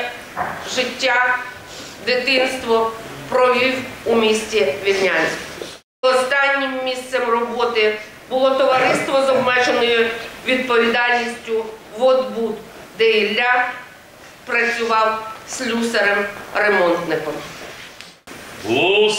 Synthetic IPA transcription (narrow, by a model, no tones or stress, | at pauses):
ʒɪtʲːa | d̪ɪt̪ɪnst̪ʋɔ | pɾɔʋʲiwumʲisʲtʲiʋʲilnʲanʲsʲ | ɔst̪ɑnʲːɪmːʲist̪sɛmrɔbɔt̪ɪ | bʊlˠɔt̪ɔʋɐɾɪst̪ʋɔzɔbmɛt͡ʃenɔjʊʋʲid̪̚pɔʋʲid̪ɑlʲnʲisʲtʲʊʋɔd̪bud̪ | d̪ɛjilʲːa | pɾɐt͡sʲʊʋɑwslʲuseɾɛmremɔnt̪nɪkɔm | ɦlˠɔ